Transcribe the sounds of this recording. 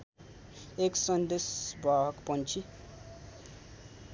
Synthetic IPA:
eksɔnd̪esbakpɔ̃nt͡ʃʰi

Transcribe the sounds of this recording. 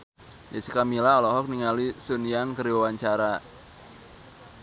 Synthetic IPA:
jasikamilaɔlɔɦɔk̚niŋalisuniaŋkəɾiwawaɲt͡ʃaɾa

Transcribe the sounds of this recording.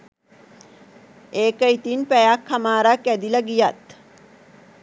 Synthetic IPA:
eːkəit̪inpæjakʰːamaːɾakæd̪iləɡijat̪

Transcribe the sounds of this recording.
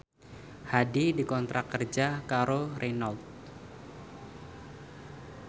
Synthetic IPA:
hadidikɔnt̪ɾakərd͡ʒakaɾorɛnalt̪̚

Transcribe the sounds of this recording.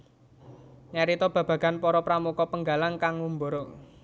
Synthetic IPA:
ɲaɾit̪ɔb̥ä̤b̥a̤ɡ̥a̤npɔɾɔpɾamukɔpəŋɡa̤laŋkaŋːumboɾo

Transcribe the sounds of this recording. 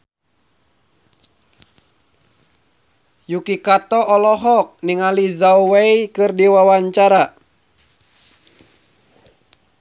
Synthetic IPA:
jukikat̪ɔɔlɔɦɔk̚niŋalizauweikɨrdiwawaɲt͡ʃaɾa

